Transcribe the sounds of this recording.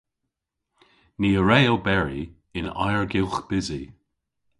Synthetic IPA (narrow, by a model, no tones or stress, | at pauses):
niːəɹɛɪlˠbɛɹḭ | ɪna̰jəɹɡɪlˠxb̥ɪzi